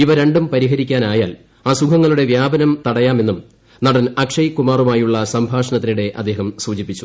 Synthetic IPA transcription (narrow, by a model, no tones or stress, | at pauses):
iʋɐɾe̞ɳɖumpɐɾiɦɐɾikʲːaːnaːjaːl | aːsukʰɐŋːɐɭuɽe̞ʋjaːbɐnɐmt̪ɐɽɐjaːme̞nːum | nɐɽɐnɐkʂɐjkːumaːrumaːjuɭːɐsɐmbʱaːʂɐnɐt̪ːiniɽe̞ʔɐ̰d̪ːeːɦɐmsuːd͡ʑipːit͡ɕːu̥